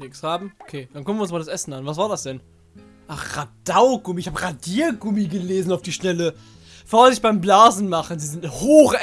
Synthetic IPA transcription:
nɪkshaːbm̩ʔokʰeːd̥ankʊknvjɪʊnsmaldasʔɛsn̩anvasv̥aːɐdasd̥ɛn | ʔaχʁad̥aʊɡʊmiɪçhaːbəʁadiːɐɡʊmiɡəleːzn̩aʊfd̥iːʃtɛlə | foːɐzɪçb̥aɪmblaːzn̩maχən̩ziːzɪnthoːxə

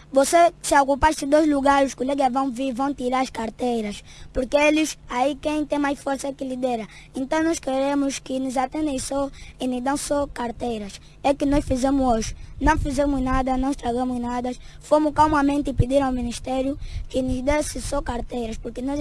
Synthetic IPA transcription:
vosesawkupaɾsɪd̪ojzluɡaɾʊʃkulɛɡɐvɐ̃w̃viɾvɐ̃w̃t̪iɾaɾɐskaɾt̪ejɾɐs | puɾkeelɪsaikẽj̃t̪ẽj̃majsfoɾsɐkɪlid̪ɛɾɐ | ẽnt̪ɐ̃w̃nɔskeɾẽmʊskɪnʊzat̪ẽnd̪ẽj̃sɔinuzd̪ɐ̃w̃sɔkaɾt̪ejɾɐs | ɛkɪnɔsfizẽmʊzoʒɪnɐ̃w̃fizẽmʊznad̪ɐnɐ̃w̃ʃt̪ɾaɡɐ̃mʊznad̪ɐsfomʊkawmɐmẽnt̪ɪpid̪iɾ̃awmĩniʃt̪ɛɾjukɪnʊzd̪esɪsɔkaɾt̪ejɾɐʃpuɾkenɔz

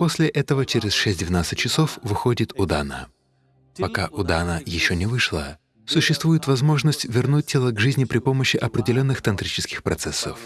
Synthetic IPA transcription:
po̞sʲlʲɪʔɛt̪əvət͡ɕɪɾʲɪsʂɛsʲtʲd̪ʲvʲɪnat̪sɨtʲt͡ɕːɪso̞fvɨxodʲɪt̪ʊd̪anə̰ | pɐkaʔʊd̪anəjɪɕːonʲɪvɨʂlˠə̰ | sʊɕːɪst̪vujɪt̪vɐzmo̞ʐnəsʲtʲvʲɪrnut̚ʲtʲelˠəɡʐɨzʲnʲɪpɾʲɪpo̞məɕːɪʔɐpɾʲɪdʲɪlʲo̞nːɨxt̪ɐnt̪ɾʲit͡ɕɪskʲɪxpɾɐt̪sɛsːə̰f

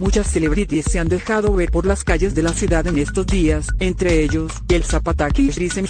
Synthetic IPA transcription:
mut͡ʃasːeleβɾit̪iseand̪e̞xaðoβeɾpo̞ɾlaskaʝe̞zðe̞lasjuðaðenest̪o̞zd̪iasent̪ɾeeʝo̞s | elsapat̪akiɾisem

